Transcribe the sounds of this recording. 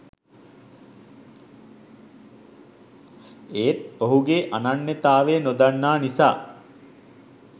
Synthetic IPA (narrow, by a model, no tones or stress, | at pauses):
eːt̪oɦuɡeːʔananːet̪aːʋenod̪anːaːnisa̰ː